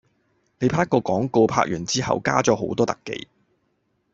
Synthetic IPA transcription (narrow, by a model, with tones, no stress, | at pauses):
ne˨˧jpʰaː˧˥kːɔː˧kɔː˨˥ŋko˧wpʰa̰ː˧˥k̚jyː˨˩nt͡siː˥hɐ̰˨wka̰ː˥t͡sɔː˨˥ɦo˨˥wt̪ɔː˥t̪ɐ˨kːḛ˨˧j